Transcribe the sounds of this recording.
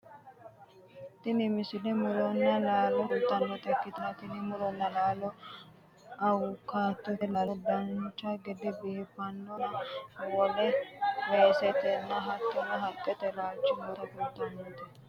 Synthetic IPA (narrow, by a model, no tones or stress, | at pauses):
t̪ɪnɪmɪsɪlɛmʊlɔnːɐlaːlɔkʊlt̪ːɐnːɔt̪ɐkːɪt̪ɪnɐt̪ɪnɪmʊlɔnːɐlaːlɔ | ʔɐwʊkaːt̪ːɔɛlad̪ɐnt͡ʃːɐɡɛd̪ɛbiːfɐnːɔnɐwɔlɛwesɛt̪ɛnːɐɦɐt̪ːɔnɐɦɐtʼːɛt̪ɛlaːt͡ʃːɪmɔɾɐkʊlt̪ːɐnːot̪ɛ